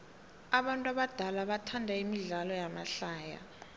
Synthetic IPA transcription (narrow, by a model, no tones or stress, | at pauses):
aɓantʼuaɓad̥ʱalaɓatʰandʱaimiɮalɔjama̰ɬaːja̰